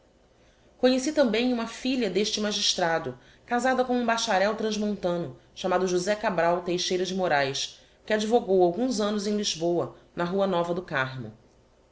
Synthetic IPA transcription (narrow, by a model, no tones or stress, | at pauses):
kõɲesit̪ɐ̃mbẽj̃ũmɐfiʎɐd̪eʃt͡ʃɪmaʒiʃt̪ɾad̪ʊ | kazad̪ɐkõũbaʃaɾɛwt̪ɾɐ̃ʒmõnt̪ɐ̃nʊʃamad̪ʊʒuzɛkabɾawt̪ejʃejɾɐd͡ʒɪmoɾajs | kɪad͡ʒivoɡowawɡũzɐ̃nʊzẽj̃liʒbowɐnɐɦuɐnɔvɐd̪ʊkaɾmʊ̰